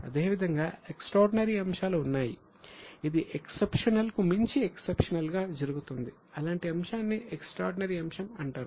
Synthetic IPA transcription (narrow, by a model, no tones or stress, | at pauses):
ɐ̰d̪e̞ːʋid̪ʱɐŋɡaːeksʈɾaːɾɖinɐɾiɐmʃaːluːnːaːji | id̪iʔeksepʂɐnɐlkumiɲt͡ʃieksepʂɐnɐlɡaːd͡ʒɐɾuɡut̪und̪i | ɐlaːɳʈiɐmʂaːnːieksʈɾaːɾɖinɐɾiɐmʂɐmɐɳʈaːɾu